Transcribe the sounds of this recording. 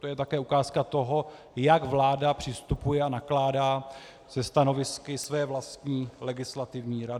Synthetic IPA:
t̪ojɛt̪akɛːukaːskat̪o̞ɦo̞ | jaɡvlaːdapr̝̥ɪst̪upujɛanaklaːdaː | zɛst̪ano̞vɪskɪsvɛːvlast̪ɲiːlɛɡɪslat̪ɪvɲiːɾadɪ

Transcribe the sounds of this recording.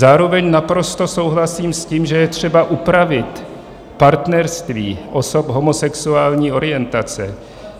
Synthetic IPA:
zaːɾo̞vɛɲnapɾo̞st̪o̞so̞wɦlasiːmsciːmʒɛjɛt̪r̝̥ɛbaʔupɾavɪt̪ | paɾt̪nɛɾst̪viːʔo̞so̞pɦo̞mosɛksuaːlɲiːo̞ɾɪjɛnt̪at͡sɛ̰

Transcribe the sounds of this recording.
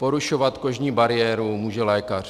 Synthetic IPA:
po̞ɾuʃovat̪ko̞ʒɲiːbaɾɪjɛːɾumuːʒɛlɛːkar̝̥

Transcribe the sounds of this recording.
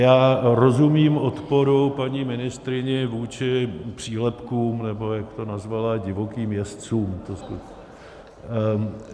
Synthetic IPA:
jaːɾo̞zumiːmʔot̪po̞ɾopaɲiːmɪnɪst̪ɾɪɲɛvuːt͡ʃɪpr̝̥iːɦlɛpkuːmnɛbo̞jakt̪o̞nazvalaɟɪvo̞kiːmjɛst͡suːmt̪osku

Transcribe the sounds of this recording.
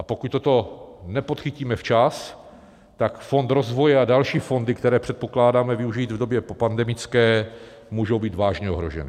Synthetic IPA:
ʔapo̞kuc̚t̪o̞t̪o̞nɛpo̞t̪xɪciːmɛft͡ʃas | t̪akfo̞nt̪ɾo̞zvo̞jɛadalʃiːfo̞ndɪkt̪ɛɾɛːpr̝̥ɛt̪̚po̞klaːdaːmɛvɪuʒiːd̪vdo̞bjɛppandɛmɪt͡skɛː | muːʒo̞wbiːd̪vaːʒɲɛo̞ɦɾo̞̰ʒɛ̰nɛ̰ː

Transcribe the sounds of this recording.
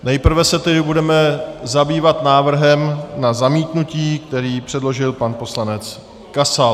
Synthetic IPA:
nɛjpr̩vɛsɛt̪ɛdɪbudɛmɛzabiːvat̪naːvr̩ɦɛmnazamiːt̪nuciːk̚t̪ɛɾiːpr̥ɛdlo̞ʒɪlpanpo̞slanɛt͡s | kasa

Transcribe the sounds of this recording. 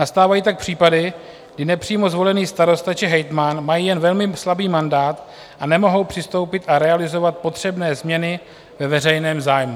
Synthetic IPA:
nast̪aːvajiːt̪ak̚pr̝̥iːpadɪ | ɡdɪnɛpr̥iːmo̞zvo̞lɛniːst̪aɾo̞st̪at͡ʃɪɦɛjt̪manmajiːjɛnvɛlmɪslabiːmandaːt̪ | ʔanɛmo̞ɦo̞wpr̥ɪst̪o̞wpɪt̪ʔaɾɛalɪzo̞vat̪̚po̞t̪r̝̥ɛbnɛːzmɲɛnɪ | vɛvɛrɛjnɛːmzaːjmu

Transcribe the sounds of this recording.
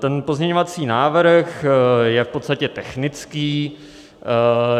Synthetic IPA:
t̪ɛnpozɲɛɲovat͡siːnaːvɾ̩xjɛfpo̞t̪st̪acɛt̪ɛxnɪt͡skiː

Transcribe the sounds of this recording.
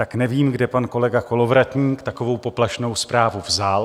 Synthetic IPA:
t̪aknɛviːmɡdɛpanko̞lɛɡako̞lo̞vɾat̪ɲiːkt̪ako̞vo̞wpo̞plaʃno̞wspɾaːvuvzal

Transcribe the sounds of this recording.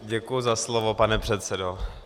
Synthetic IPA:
ɟɛkujʊzaslovopanɛpr̝̥ɛt̪sɛdo

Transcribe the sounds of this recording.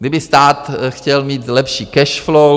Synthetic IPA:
ɡdɪbɪst̪aːt̪xcɛlmiːt̪lɛpʃiːkɛʃflo

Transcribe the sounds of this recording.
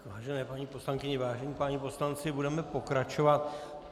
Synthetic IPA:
vaːʒɛnɛːpaɲiːpo̞slaŋkɪɲɛvaːʒɛɲiːpaɲipo̞slant͡sɪbudɛmɛpo̞kɾat͡ʃovat̪̚

